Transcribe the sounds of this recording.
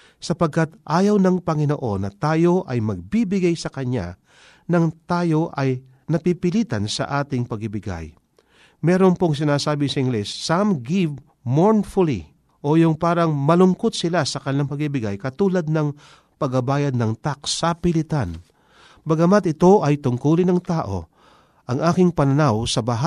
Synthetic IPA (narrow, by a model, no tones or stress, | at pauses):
sɐpɐɡ̚kɐt̪ʔaːjɐwnɐŋpɐŋɪnoʔo̞nːɐt̪aːjo̞ʔɐjmɐɡ̚bibɪɡajsɐkɐɲa̰ | nɐŋt̪aːjo̞ʔɐj | nɐpipɪliːt̪ɐnsɐ̰ʔaːt̪ɪŋpɐɡɪbɪɡa̰j | mɛɾonpoŋs̬ɪnaːsaːbɪsɐʔɪŋɡlɛsːamɡiv | moɹnfʊlḭ | ʔo̞jʊŋpaːɾɐŋmɐlʊŋko̞t̪̚sɪlasɐkɐnɪlaŋpɐɡibɪɡajkɐt̪uːlɐd̪̚nɐŋ | pɐɡɐbaːjɐd̪̚nɐŋt̪ak̚sɐpɪlɪt̪an | bɐɡɐmat̪ɪt̪o̞ʔɐjt̪ʊŋkuːlɪnɐŋt̪aːʔo̞̰ | ʔɐŋʔaːkɪŋpɐnɐnawsɐbɐɦa